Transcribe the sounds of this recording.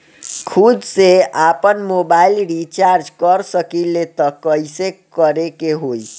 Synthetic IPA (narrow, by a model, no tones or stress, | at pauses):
kʰud̪seapənmobailɾit͡ʃaɾd͡ʒkəɾsəkilet̪ɔkəisekəɾekeɦoi